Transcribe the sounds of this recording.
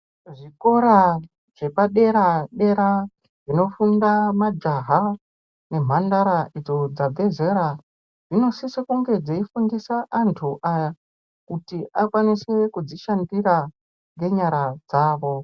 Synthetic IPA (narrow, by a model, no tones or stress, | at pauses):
ʐiko̞ɾa | ʐ̥e̞paɗe̞ɾaɗe̞ɾa | ʐino̞fundamad͡ʒaɦa | ne̞m̤andaɾaʔid͡zo̞d͡zabe̞ze̞ɾa | ʐino̞sisekuŋɡe̞d͡zeifundisaʔantʰuʔaja | kutiʔakwanise̞kud͡ziʃandira | ŋɡe̞ɲaɾad͡zaːʋo̞